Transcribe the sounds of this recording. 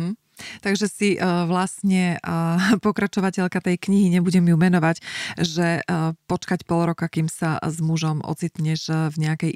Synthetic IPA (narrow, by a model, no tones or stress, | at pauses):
t̪aɡʒɛsiʋlasɲɛ | pɔkɾat͡ʃɔʋacɛʎkat̪ɛjkɲiɦiɲɛbuɟɛmjumɛnɔʋaɟʒɛpɔt͡ʃkacpɔlɾɔkakimsazmuʒɔmɔ̰t͡sit̪ɲɛʒvɲɛakɛj